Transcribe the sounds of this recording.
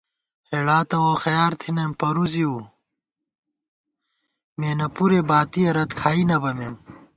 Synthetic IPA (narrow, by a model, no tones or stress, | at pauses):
heɽaːt̪ɐwoxɐjaːɾt̪ʰinɐmpɐɾuziuː | meːnɐpuɾebaːt̪ijɐɾɐt̪kʰaːinɐbɐmem